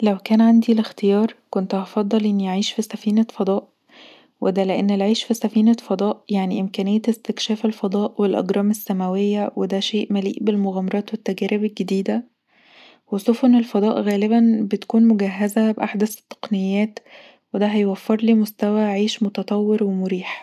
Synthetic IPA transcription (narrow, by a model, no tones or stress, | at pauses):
læwkæːnʕand̪ilext̪ejɑːɾˤkont̪hɑfɑd̪ˤːɑlʔenːiʔaʕiːʃfisæfiːnæfɑd̪ˤɑːʔ | wed̪æleʔenːelʕiːʃfisæfiːnæfɑd̪ˤɑːʔjaʕniʔemkæːnɪjːæt̪est̪ekʃæːfelfɑd̪ˤɑːʔwelʔɑ̰ɡɾˤɑːmesːæmæwejːæwed̪æʃeːʔmælḭːʔbelmoɣæmɑɾˤɑːt̪wet̪ːæɡæːɾebelɡed̪iːd̪æ | wesˤofonelfɑd̪ˤɑːʔɣæːlebænbet̪kuːnmoɡæɦːæzæbʔaħd̪æse̥t̪ˤːɑ̥qnejːæːt̪ | wed̪æɦæjwæfːeɾˤliːmost̪æwæʕiːʃmot̪ɑt̪ˤɑwːeɾwemoɾiːħ